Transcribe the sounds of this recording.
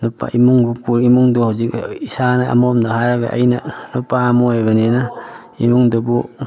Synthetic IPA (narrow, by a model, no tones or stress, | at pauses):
nopa̰imuŋbupuɾimuŋdohuzikisanaa̰momdaɦaɾaɡa̰ʔa̰jnanopamoeβanena | imuŋdobu